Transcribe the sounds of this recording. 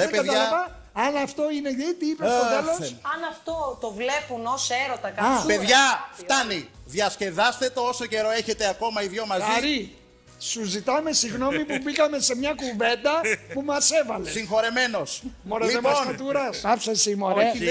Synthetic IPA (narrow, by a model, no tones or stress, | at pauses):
lepeɐt̪ɐlɐvɐ | ɐnɐft̪o̞ine̞et̪iipessoðɐlosɐnɐft̪ot̪ovle̞punoseɾot̪ɐkɐɐpeðʝɐft̪ɐniðʝɐsce̞ðɐst̪e̞t̪ooso̞ce̞ɾo̞e̞çe̞t̪eɐko̞mɐiðʝo̞mɐzɐɾi | suzit̪ɐme̞siɣno̞mipubiɣɐme̞se̞mɲɐkuve̞nd̪ɐpumɐse̞vɐlessiŋxo̞ɾe̞me̞no̞smoɾeliemosɐt̪uɾɐsɐfsesimoɾ